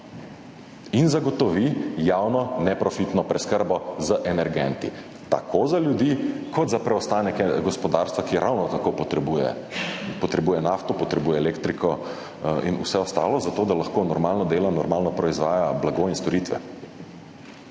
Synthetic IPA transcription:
inzaɡɔt̪ɔʋijawnɔnɛpɾɔfit̪nɔpɾɛskəɾbɔzəʔɛnɛɾɡɛnt̪ḭ | t̪a̰kʰozaljud̪ikɔt̪zapɾɛɔst̪aːnɛkɛɡɔspɔd̪aɾst̪ʋakiɾʔawnɔt̪akot̪ɛbujɛ̰ | pɔt̪ɾɛbuːjɛnaːft̪ɔpɔt̪ɾɛbuːjɛːleːkt̪ɾikʰɔ | ḭnṵsɛɔst̪a̰ːlɔzat̪oːd̪alaxkonɔɾmaːlnɔd̪eːlanɔɾmaːlnɔpɾɔizʋaːjablaɡoinst̪ɔɾit̪ʋɛ̰

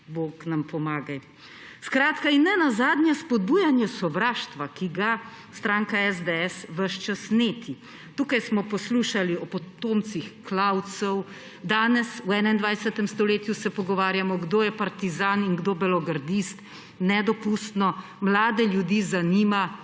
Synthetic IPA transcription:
boknampɔmaːɡaj | skɾaːt̪kainːɛnazaːd̪njɛspɔd̪̚buːjanjɛsɔʋɾaːʃt̪ʋakiɡa | st̪ɾaːŋkaɛzd̪eɛsʋəʃt͡ʃasneːt̪ʰi | t̪uːkajsmɔpɔsluʃaliɔpɔt̪oːmt̪sixklaw̪sɔw | d̪aːnɛswɛːnaind̪ʋajsɛt̪ɛmst̪ɔleːt̪jusɛpɔɡɔʋaːɾjamɔɡd̪oːjɛpaɾt̪izaːniŋɡd̪oːbɛlɔɡaɾd̪ist̪ | nɛd̪ɔpust̪nɔ | mlaːd̪ɛljud̪iːzaniːma

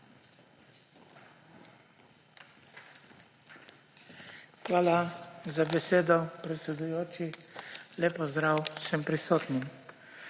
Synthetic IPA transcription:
xʋaːlazabɛseːd̪ɔpɾɛt̪sɛd̪ujoːt͡ʃileːpɔzd̪ɾawsɛmpɾisoːt̪nim

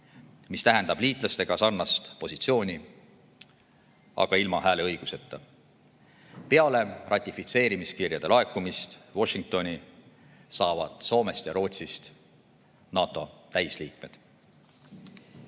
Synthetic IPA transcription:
mist̪æɦend̪ɑb̥liːt̪ˑlɑst̪e̞ɡ̥ɑsɑrnɑst̪po̞sit̪sio̞ːnʲi | ɑ̰ɡ̥ɑilmɑhæːle̞ɤjɡ̥use̞t̪ːˑɑ | pe̞ɑle̞rʔɑt̪ʲːˑifit̪se̞ːɾimiskirjɑd̪e̞lɑe̞kːumist̪vo̞ʃiŋk̚t̪o̞nʲi | sɑːvɑ̰d̪̥so̞ːme̞st̪jɑɾo̞ːt̪sist̪ | nɑːt̪ːˑo̞t̪æjsliːk̚me̞d̪̥

